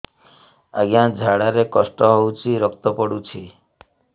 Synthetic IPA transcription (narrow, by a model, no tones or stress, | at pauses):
aɡijãd͡ʒʱaɽaɾekɔsʈɔɦowt͡ʃʰiɾɔkt̪ɔpɔɽut͡ʃʰi